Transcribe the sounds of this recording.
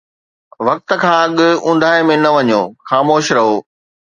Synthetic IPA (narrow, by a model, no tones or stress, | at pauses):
ʋɐk̚t̪ə̆kʰãːɐɠʊ̆ʊ̃nd̪ʱaːɪmẽnɐʋɐɲoːxaːmoːʃɾɐɦoː